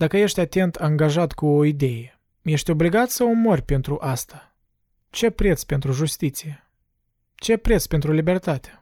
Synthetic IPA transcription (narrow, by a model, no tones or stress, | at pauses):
d̪̥akəje̞ʃt̪ʲat̪e̞nt̪ʰaŋɡaʒat̪kuoid̪e̞je | je̞ʃt̪ʲo̞bliɡat̪səomo̞rʲpe̞nt̪ɾuʔast̪a | t͡ʃe̞pɾe̞t̪spe̞nt̪ɾuʒust̪it̪sije | t͡ʃe̞pɾe̞t̪spe̞nt̪ɾulibe̞rt̪at̪ʲḁ